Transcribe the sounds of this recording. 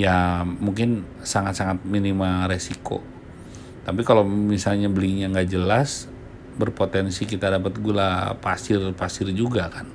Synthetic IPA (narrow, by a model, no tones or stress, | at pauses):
jamuŋkɪn | saŋat̪saŋat̪̚minimaɾesiko̰ | t̪apikalomisalɲabəliɲaŋɡad͡ʒəlas | bərpot̪ɛnsikit̪adap̬ət̪̚ɡualapasɪrpasɪrd͡ʒuɡakan